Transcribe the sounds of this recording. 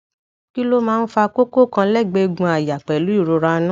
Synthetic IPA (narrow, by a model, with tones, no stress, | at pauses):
ki˦lo˦mãː˦˧n̩˦fa˧ko˦ko˦˨kã˧lɛ˦˨ɡ͡be˧ɡũ˧a˨ja˨k͡pɛ˨lu˨˦i˦˨ɾo˧ɾa˧˦nã˦